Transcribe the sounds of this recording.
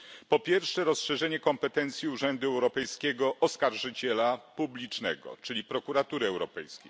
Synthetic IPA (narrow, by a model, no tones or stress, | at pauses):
pɔpʲjɛɾfʂɛɾɔsʂɛʐɛɲɛkɔmpɛt̪ɛnt̪sʲjiuʐɛnd̪uɛwɾɔpɛjskʲɛɡɔʔɔskaɾʐɘt͡ɕɛlapublʲit͡ʂnɛ̰ɡɔ̰t͡ʂɘlʲipɾɔkuɾat̪uɾɘɛwɾɔpɛjskʲejj